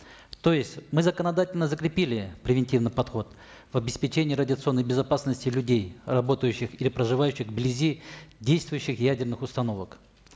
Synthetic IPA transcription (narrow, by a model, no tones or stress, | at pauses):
t̪o̞jɪsʲtʲmɨzəkənɐd̪atʲɪlʲnəzəkɾʲɪpʲilʲɪpɾʲɪvʲɪnʲtʲivnɨjpɐt̪xo̞t̪ | vɐbʲɪspʲɪt͡ɕenʲɪjəɾədʲɪət̪sɨo̞nːəjbʲɪzɐpasnəsʲtʲɪlʲʉdʲejrɐbo̞t̪əjʉɕːɪxilʲɪpɾəʐɨvajʉɕːɪxblʲɪzʲidʲejst̪vʊjʉɕːɪxjædʲɪrnɨxʊst̪ɐno̞vək